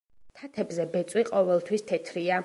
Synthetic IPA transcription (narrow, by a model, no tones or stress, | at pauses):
t̪ʰat̪ʰɛbzɛbɛt̪sʼwiqʼɔvɛlˠt̪ʰwist̪ʰɛt̪ʰɾia